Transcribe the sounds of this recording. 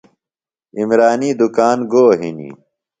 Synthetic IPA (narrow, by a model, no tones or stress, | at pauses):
imɾaːniːd̪ukaːnɡoːɦinḭː